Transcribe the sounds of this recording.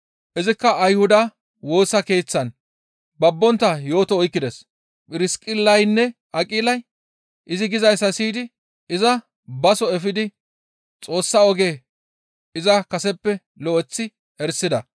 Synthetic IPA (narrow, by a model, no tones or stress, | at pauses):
ʔɪzɪkːɐʔɐjhʊd̪ɐ | wo̞ːsːɐke̞ːt͡sːɐn | bɐbːɔnt̪ːɐjo̞ːt̪ɔɔjkːɪd̪ɛs | pʼɪɾɪskʼɪlːɐjnːɛʔɐkʼiːlɐj | ʔɪzɪɡɪzɐjsːɐsiːd̪ɪ | ɪzɐ | bɐsɔɛfɪd̪ɪ | t͡sʼo̞ːsːɐɔɡeː | ɪzɐkɐsɛpːɛ | lɔʔɛt͡sːɪ | ɛɾsːɪd̪ɐ